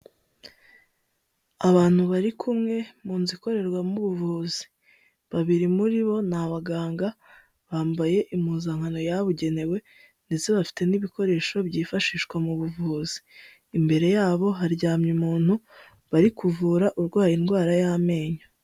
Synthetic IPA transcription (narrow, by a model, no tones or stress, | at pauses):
aβaːn̥huβaɾikʰumŋe̞muːnziko̞ɾe̞ɾɡwamuβuvuzi̥ | βaβiɾimuɾiβo̞naβaɡaːŋɡa | βaːmbaje̞ʔimuːzaŋhano̞jaβuɟe̞ne̞we̞ | nde̞t͡seβafi̥te̞niβiko̞ɾe̞ːʃo̞bɟiːfaʃiːʃkwamuβuvuzi̥ː | mbe̞ɾe̞jaːβo̞ɦaɾɟaːmɲimuːn̥hu | βaɾikuvuːɾaʔuɾɡwaːjinɡwaːɾajame̞ːɲo